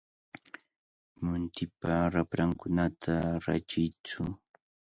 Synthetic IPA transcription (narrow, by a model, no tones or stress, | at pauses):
mʊnt̪ɪpaɾapɾaŋkʊnat̪ʰaɾat͡ʃɪjt͡sʊ